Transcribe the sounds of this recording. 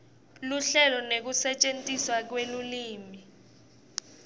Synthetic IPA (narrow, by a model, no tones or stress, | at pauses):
luɬɛlɔnek̬usɛt͡ʃʼentʼiswak̬weluliːmi